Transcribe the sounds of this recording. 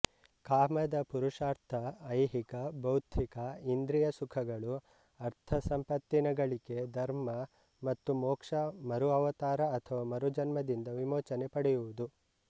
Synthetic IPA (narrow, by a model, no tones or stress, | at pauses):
kaːmɐd̪ɐpuɾuʂaːɾt̪ʰɐːjɦikɐbɐwd̪ʰʱikɐind̪ɾijɐsukʰɐɡɐɭu | ɐɾt̪ʰɐsɐmpɐt̪ːinɐɡɐɭiɡe̞d̪ɐɾmɐ | mɐt̪ːumɔːkʂɐmɐɾuɐʋɐt̪aːɾɐːt̪ʰɐʋamɐɾud͡ʒɐnmɐd̪ind̪ɐʋimoːt͡ʃɐnepɐɽɛjuʋud̪u